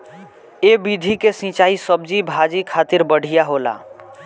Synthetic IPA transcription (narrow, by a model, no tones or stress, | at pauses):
ebid̪ʱikesĩt͡ʃaisəb̚d͡ʒibʱad͡ʒikʰat̪iɾbəɽ̤ʱijaɦola̰